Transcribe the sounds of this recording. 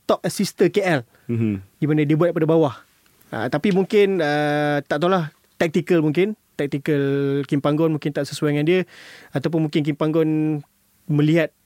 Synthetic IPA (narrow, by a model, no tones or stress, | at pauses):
t̪ɔp̚əsist̪əkeʔɛl | dimanadibuat̪̚k̚padabawah | ə̰t̪apimũŋkɪnət̪aʔt̪̬olah | t̪ɛk̚t̪ikəlmũŋkɪnt̪ɛk̚t̪ikəlkimpaŋɡɔnmuŋkɪnt̪aʔsəsuaŋãndiəat̪awp̬ʊnmũŋkɪnk̬impaŋɡɔn | mə̃liɦat̪̚